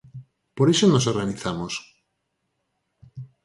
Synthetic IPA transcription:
poɾesonos̬oɾɣaniθamos

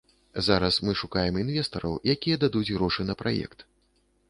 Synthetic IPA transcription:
zaɾɐsmɨʂukajɛminvʲɛst̪ɐɾɐwjakʲijɛd̪ad̪ud͡zʲɣɾɔʂɨnɐpɾʔa̰jɛ̰kt̪

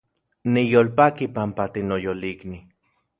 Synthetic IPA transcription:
nijolpakipampat̪inojolikni

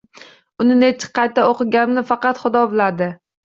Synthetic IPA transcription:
ʊnɪnet͡ʃʰɪ̥qʰɑjt̪aoqɨɡʲannɪfɑqɑt̪χʊd̪ɒbɪlad̪ɪ

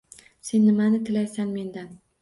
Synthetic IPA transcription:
se̞nːɪmanɪt̪ʰɪlajsanme̞nd̪an

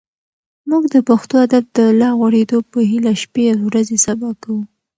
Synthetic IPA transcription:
muɡd̪əpaxt̪oad̪afd̪əlɑɣwaɽed̪opəɦilaʃpewɾazesabɑkawu

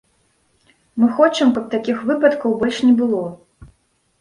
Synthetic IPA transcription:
mɨxɔt͡ʂɐmkɐp̚t̪akʲixvɨpɐt̪kɐwbɔlʲʂnʲɛbɨlˠɔ

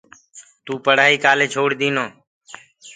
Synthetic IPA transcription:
t̪uːpəɽ̤aːiːkaːleːt͡ʃʰoːɽd̪iːnoː

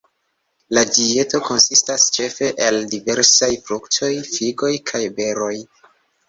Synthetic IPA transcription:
lad͡ʒie̞to̞ko̞nsistast͡ʃe̞fe̞ʔeldive̞ɾsajfɾukto̞jfiɡo̞jkʰajbe̞ɾo̞j

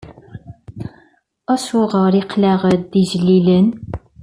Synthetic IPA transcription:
æʃʊʁəɾˤiqlæʁəd̪iʒəlːilən

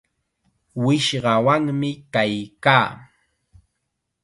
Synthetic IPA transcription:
wɪʃɢɑwaŋmɪkajkaː

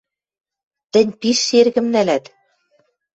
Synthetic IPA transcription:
t̪ɘ̆nʲpiʃːerɣɘ̆mnælæt̪

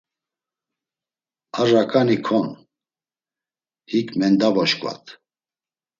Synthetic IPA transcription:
arakʼanikʰɔn | hikʰʼmɛnd̪avɔʃkʼwa̰t̪ʰ

